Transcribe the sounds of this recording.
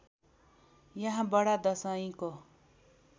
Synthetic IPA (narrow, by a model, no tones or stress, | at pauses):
jʌɦãbʌɽad̪ʌsʌĩko